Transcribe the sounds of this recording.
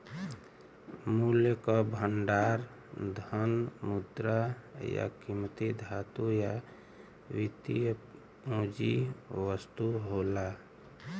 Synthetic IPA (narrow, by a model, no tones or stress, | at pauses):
muljəkɔbʱəɳɖaɾ | d̪ʱənmud̪ɾaja̰kimt̪id̪ʱat̪uja | ʋit̪ij | põd͡ʒiʋəst̪uɦola